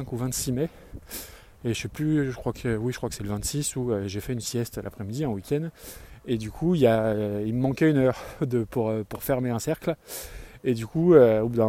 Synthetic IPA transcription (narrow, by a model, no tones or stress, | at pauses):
ɛ̃kuvɛ̃t̪simɛ | eʃɛplyʒəkχwakʰəwiʒə̥kχwakə̥sɛləvɛ̃t̪sisuøʒefɛynsjɛst̪lʔa̰pχɛmid̪iɛ̃wikʲʰɛnd̪ed̪ykʰuiljailməmɑ̃kʲɛynœʁd̪əpuʁøpuʁfɛʁmeɛ̃sɛʁkl | ed̪ykuøobud̪ã